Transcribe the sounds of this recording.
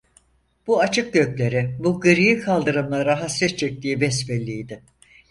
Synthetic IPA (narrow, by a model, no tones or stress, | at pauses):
b̥uat͡ʃʰɯk̚ɟø̞clʲe̞ɾɪbuɡɯɾijikʰalˠd̪ɯɾɯmlˠaɾaɦasɛt̪t͡ʃʰɛc̚t̪ijibɛsbɛlʲːijd̪ɪ